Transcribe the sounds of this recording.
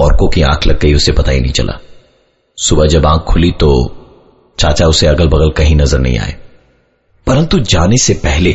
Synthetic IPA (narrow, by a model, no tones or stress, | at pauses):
ɔːɾkõkiã̰ːkʰlɐɡ̚ːəiʊsepɐt̪aḭnɐ̰ɦĩt͡ʃɐ̰lʔa̰ː | sʊbad͡ʒɐbãːkʰːʊlit̪oː | t͡ʃaːt͡ʃaʊseɐɡəlbɐɣəlkɐɦĩnɐzəɾnɐ̰ɦḭ̃ːa̰ːḛː | pɐɾə̃nt̪ud͡ʒaːnesepɛɦle